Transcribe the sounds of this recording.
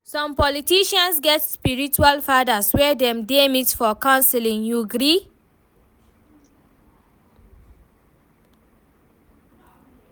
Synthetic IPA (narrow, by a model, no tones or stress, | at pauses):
sɔ̃mpɔlitiʃãnsɡɛtspiɹit͡ʃualfadaswɛdɛ̃mdemitfɔkãʊnsɛlĩŋjuɡɾi